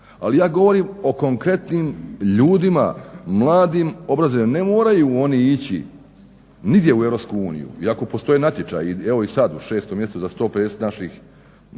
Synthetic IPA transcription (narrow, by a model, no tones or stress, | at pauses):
a̰lijaːɡo̞ʋo̞ɾiːmo̞ko̞ŋkɾe̞t̪nimʎuːd̪ima̰mlˠaːd̪imo̞bɾazoimane̞moːɾajuo̞niit͡ɕḭ | niɡd̪je̞uevɾo̞pskuuːnḭjṵiako̞po̞st̪o̞jenat̪ʲje̞t͡ʃa̰jieʋo̞isad̪uʃe̞ːst̪omjeset̪ud̪ast̪o̞ːpɾesnaʃix